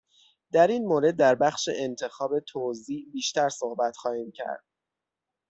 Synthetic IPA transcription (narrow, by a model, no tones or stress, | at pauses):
d̪æɾiːnmoːɾe̞d̪̚ːæɾbæxʃḛʔent̪ʰe̞xɒːbe̞t̪ʰoziːʔbiːʃt̪æɾsohbæt̪xɒːhiːmcʰæ̰ɾd̪̥̚